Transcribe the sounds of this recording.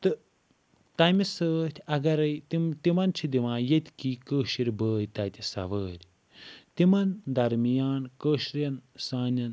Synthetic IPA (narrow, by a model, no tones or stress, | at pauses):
t̪ɨ | t̪ɐmisəːt̪ʲʰɐɡɐɾɐjt̪imt̪imɐnt͡ʃʰid̪iʋãːjet̪ʲkiːkəːʃiɾʲbəːjt̪ɐt̪ʲisɐ̰ʋəːɾʲ | t̪imɐnd̪ɐɾmijaːnkəːʃɾjɐnsaːnʲɐn